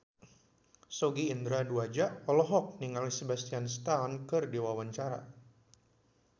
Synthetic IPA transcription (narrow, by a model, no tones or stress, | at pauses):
soɡiːnd̪ɾaduad͡ʒaʔɔlɔɦɔk̚niŋalisebast̪ianst̪ankɨrdiwawaɲt͡ʃaɾa̰